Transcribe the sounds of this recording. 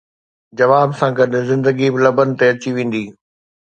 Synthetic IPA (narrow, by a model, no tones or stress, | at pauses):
d͡ʑɐʋaːbsãɡɐɗɪ̆zɪ̃nd̪əɡibɪlɐbənɪ̆t̪eɐt͡ɕiʋẽːn̆d̪iː